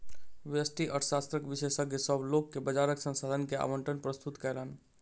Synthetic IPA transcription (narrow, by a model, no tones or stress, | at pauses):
ʋəsʈiʔəʈʰsast̪ɾəkʋisesəɡjesəbʱlokːebəd͡ʒaɾəksə̃nsad̪ʱənkea̰məɳʈənpɾəst̪ut̪kɛlən